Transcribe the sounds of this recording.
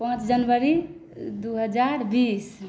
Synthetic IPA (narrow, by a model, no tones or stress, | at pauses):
pə̃t͡ʃd͡ʒənʋəɾi | d̪uɦəd͡ʒaɾbis